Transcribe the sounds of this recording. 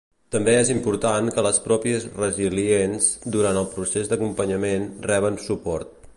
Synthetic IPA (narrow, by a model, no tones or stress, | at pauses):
t̪əmbeezimpuɾt̪aŋkələspɾɔpiəzrəzilienzd̪uɾant̪əlˠpɾusezd̪əkumpəɲəmenrɛβ̞ənsupɔɾt̪̚